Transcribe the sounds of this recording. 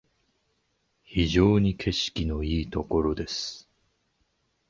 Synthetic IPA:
çiʑo̞ːɲ̟ikʰe̞ɕi̥kʲino̞iːt̪o̞ko̞ɾo̞d̪e̞sɨ̥

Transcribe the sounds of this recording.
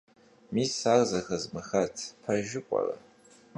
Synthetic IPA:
misarzɐxɐzmɨxɐtʰpʰɐrʒɪkʷʼɐ̰rɐ̰

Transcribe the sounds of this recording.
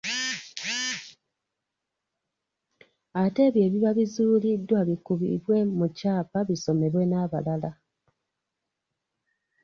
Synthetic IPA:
ate̞ːβje̞ːβiβaβizuːlidːwaβikuβḭɾwe̞mucaːpaβiso̞me̞ɾwe̞naβa̰lala

